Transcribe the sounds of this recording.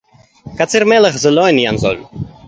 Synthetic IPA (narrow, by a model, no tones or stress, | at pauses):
kat͡siɾmɛləχzəlɔjnijanzɔ̰lʲ